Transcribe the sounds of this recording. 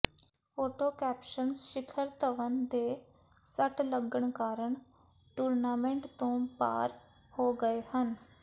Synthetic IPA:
fʰoːʈoːkɛːpʃənsʃɪkʰəɾt̪əʋənd̪eː | səʈləɡəɳkaːɾəɳ | ʈuːɾnaːmẽɳʈt̪õːpa̰ːɾ | hoːɡəeːhən

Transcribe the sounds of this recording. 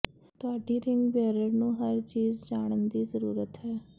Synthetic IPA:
t̪ʊaːɖiːɾɪŋɡbɛːɾəɾnũːɦəɾt͡ʃiːzd͡ʒaːɽ̃ənd̪iːzəɾuːɾət̪ɦɛː

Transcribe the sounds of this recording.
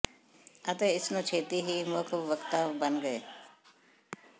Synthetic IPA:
ɐt̪eɪsnõt͡ʃʰeːt̪iɦimʊkʰʋəkt̪aʋbɐnɡəeː

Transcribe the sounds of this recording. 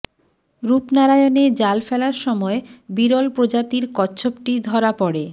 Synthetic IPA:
ɾupnaɾajoned͡ʑalfɛlaɾʃɔmɔebiɾolpɾod͡ʑat̪iɾkɔtːɕʰopʈid̪ʱɔɾapɔɽe

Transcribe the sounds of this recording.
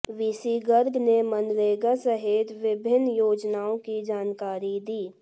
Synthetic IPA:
ʋisiːɡəɾɡnemənɾeːɡasəɦet̪ʋɪbʱɪnːjoːd͡ʒnaːõkid͡ʒaːnkaːɾid̪iː

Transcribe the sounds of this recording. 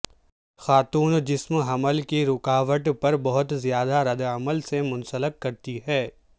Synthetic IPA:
xaːt̪uːnd͡ʒɪsmɦɐməlkeɾʊkaːʋəʈpɐɾbɐɦʊt̪zjaːd̪aɾɐd̪əməlsemʊ̃nsələk̚kɐɾt̪iɦɛː

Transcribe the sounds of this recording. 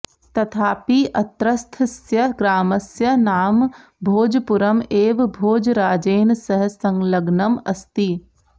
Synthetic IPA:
t̪ɐt̪ʰaːpiʔɐt̪ɾəst̪ʰəsjɐɡɾaːmɐsjɐnaːmbʱoːd͡ʒpʊɾəmeːʋbʱoːd͡ʒɾaːd͡ʒeːnsɐɦsɐ̃ŋɡlɐɡnɐmɐ̰st̪i

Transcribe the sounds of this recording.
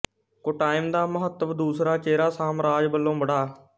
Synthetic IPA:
koʈaːɪmd̪aːməɦət̪ːəʋd̪uːsɾaːt͡ʃeːɾaːsaːmɾaːd͡ʒbəlːõːbəɽaː

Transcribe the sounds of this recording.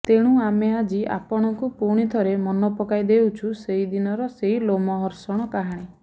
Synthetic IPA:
t̪eɽ̃uamead͡ʒia̰pɔɽ̃ɔkupuɽ̃it̪ʰɔɾemɔnɔpɔkajd̪ewt͡ʃʰuseɦid̪inɔɾɔseɦilomɔɦɔɾsɔɽ̃ɔkaɦaɽ̃i

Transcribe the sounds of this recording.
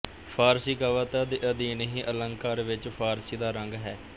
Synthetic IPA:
pʰaːɾsiːkaʋaːt̪aːd̪eʔəd̪iːnəɦĩːʔələŋkaːɾʋɪt͡ʃpʰaːɾsiːd̪aːɾəŋɡɦɛː

